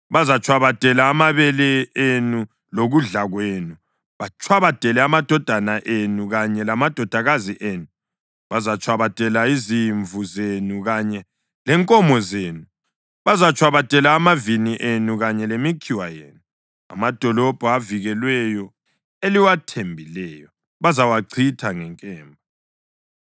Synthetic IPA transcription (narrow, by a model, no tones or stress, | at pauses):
βazat͡ʃʰʼwaβatʼɛlaːmaβɛlɛenu | loɣuɮaɣweːnu | βat͡ʃʼʰwaβad̥ʼʱɛlɛamad̥ʱɔd̥ʱanaʔenuɣaɲɛlamad̥ʱɔd̥ʱaɣaziʔeːnu | βazat͡ʃʰʼwaβatʼɛlaiziɱvʱuzenuɣaɲɛ | lɛŋkʼɔmɔzeːnu | βazat͡ʃʰʼwaβatʼɛlaːmaviniʔenuɣaɲɛlemikʰiwajḛːnu | a̰mad̥ʱɔlɔb̥ʱɔaviɣɛlwɛjɔ | eliwatʰembʱilɛːjɔ | βazawaǀʰitʰaŋɛŋkʼɛːmbʱɔ